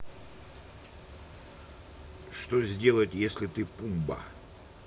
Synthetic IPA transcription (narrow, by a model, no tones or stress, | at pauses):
ʂt̪ozʲdʲe̞lˠətʲjesʲlʲɪt̪ɨpumbə̰